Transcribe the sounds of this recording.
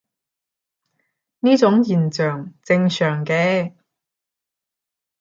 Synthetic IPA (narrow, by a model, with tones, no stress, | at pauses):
niː˥t͡sʊ˨˥ŋjiː˨˩nt͡ʃœː˨ŋt͡sɪ˧ŋsœː˨˩ŋkɛː˧